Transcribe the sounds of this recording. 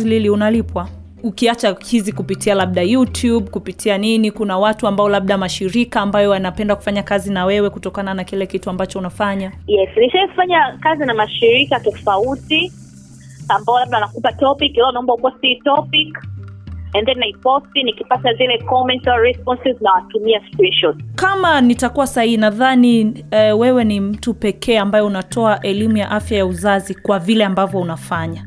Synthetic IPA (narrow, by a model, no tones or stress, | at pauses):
ililiunalipwa | ukiat͡ʃahizikupitialab̚ɗajutjub̚kupitʰianinikunawatuambaɔlab̚ɗamaʃiɾikaːmbajɔwanapɛndaku̥faɲakazinawɛwɛkutɔkananakilɛkituambat͡ʃɔunafaɲajɛsniʃajifaɲakazinamaʃiɾikatɔfauti | ambaɔlabnanakupatɔpikiwɛunaɔmbaukuastitɔpik | ɛnðɛnnaipɔstinikipatazilɛkɔmɛ̃ntaɹɛspɔnsiznawatumiaspinʃɔtkamanitakuwasahihinaðaniɛwɛwɛnim̩tupɛkʰɛːambajɛunatɔaʔɛlimujaʔafjajauzazikwavilɛambavjɔunafaɲa